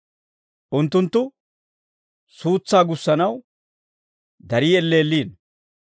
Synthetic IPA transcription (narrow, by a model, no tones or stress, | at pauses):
ʔʊnt̪ːʊnt̪ːʊ | suːt͡sːaːɡʊsːɐnɐw | d̪ɐɾiːɛlːeːlːiːn